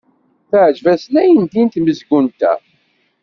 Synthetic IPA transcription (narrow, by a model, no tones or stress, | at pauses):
θəʕd͡ʒvæsnæjənd̪int̪məzɡunt̪æ̰